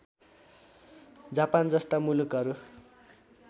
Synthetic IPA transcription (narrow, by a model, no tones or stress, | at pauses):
d͡zapand͡zʌst̪amulukɦʌɾu